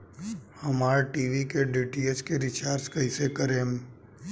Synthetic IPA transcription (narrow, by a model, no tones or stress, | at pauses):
həmaːɾʈiːʋikeɖiːʈiet͡ʃkeɾɪt͡ʃaːɾskɐɪsekəɾẽːm